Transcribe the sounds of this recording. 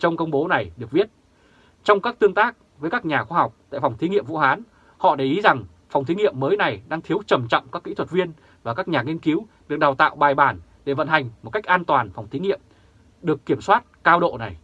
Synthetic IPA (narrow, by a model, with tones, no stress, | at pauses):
t͡ɕɔ˧wŋ͡mkə˧wŋ͡mɓo˨˦na˨˩jɗɨ˨˩ək̚vi˦˥ət̚ | t͡ɕɔ˧wŋ͡mkaː˦˥k̚t̪ɨ˧əŋt̪aː˦˥k̚ | vəː˨˦jkaː˦˥k̚ɲaː˨˩xwaː˧ɦa˨˩wk͡p̚t̪a̰ː˧˨jfa˨˩wŋ͡mt̪ʰi˨˦ŋḭ˧˨əmvṵ˧˨haː˨˦n | hɔ̰˧˨ɗe˧˩ʔi˨˦za˨˩ŋ | fa˨˩wŋ͡mt̪ʰi˨˦ŋḭ˧˨əmːəː˨˦jna˨˩jɗaː˧ŋt̪ʰi˨˦əwt͡ɕə˨˩mt͡ɕɔ̰˧˨wŋ͡mkaː˦˥kːḭ˧˥t̪ʰwə˨˩t̚vi˧ən | vaː˨˩kaː˦˥k̚ɲaː˨˩ŋi˧ənki˨˦w | ɗɨ˨˩ək̚ɗaː˨˩wt̪a̰ː˧˨wɓaː˨˩jɓaː˧˩nɗe˧˩və̰˧˨nha˨˩jŋ̟mo˨˩t̚ka˦˥jk̟̚ʔaː˧nt̪waː˨˩nfa˨˩wŋ͡mt̪ʰi˨˦ŋḭ˧˨əm | ɗɨ˨˩əkːi˧˩əmswaː˦˥t̚kaː˧wɗo̰˧˨na˨˩j